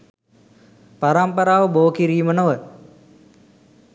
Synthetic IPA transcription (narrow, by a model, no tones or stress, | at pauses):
paɾampəɾaːʋəboːkiɾiːmənoʋə